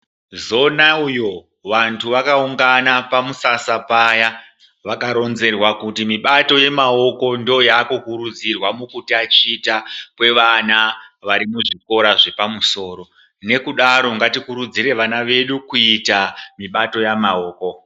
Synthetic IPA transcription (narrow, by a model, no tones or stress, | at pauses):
zo̞naujo̞ | ʋantʰuʋakauŋɡanapamusasapaja | ʋakaɾo̞nze̞rwakutimiɓato̞je̞mao̞ko̞ndojaːkukuɾud͡zirwamukutiat͡ʃiːtakwe̞ʋanaʋaɾimuʐiko̞ɾaʐe̞pamuso̞ːro̞ | ne̞kuɗaɾo̞ŋɡatikuɾud͡zire̞ʋanaʋe̞ɗukuitamiɓato̞jamao̞ːko̞